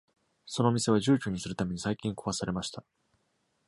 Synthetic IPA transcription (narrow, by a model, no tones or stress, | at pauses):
so̞no̞mʲise̞βaʑɨːkʲoɲ̟isɨɾɯ̟t̪ame̞ɲ̟isaikʲĩŋkoβasaɾe̞maɕi̥t̪a